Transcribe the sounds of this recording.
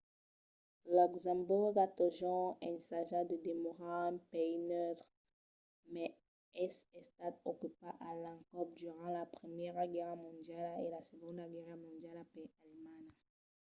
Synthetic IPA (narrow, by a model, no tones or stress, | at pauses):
lɔkzɑ̃buʁɡat̪oʒɔ̃ɛnsaʒad̪əd̪emɔʁãpeinœvʁ | mɛ | ɛsɛ̃st̪ad̪okypaʔalãkɔpd̪yʁɑ̃lapχəmjɛʁɡɛʁmɔ̃d̪jalelasəɡɔ̃d̪aɡɛʁmɔ̃d̪jalapealman